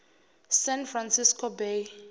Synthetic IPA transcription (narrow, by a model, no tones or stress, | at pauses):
sɛ̃nfransiskʰɔbej